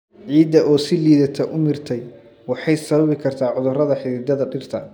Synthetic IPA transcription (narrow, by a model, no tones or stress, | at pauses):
ʕiːd̪ɐʔɔːsɪliːðɐt̪ʰɐʔʊmɪrt̪ʰɛj | wɑħɑjsɐβɐβɪkʰɐrt̪ʰaːʕʊðʊrɐðɐħɪɾɪd̪ɐðɐɖɪrt̪ʰɐ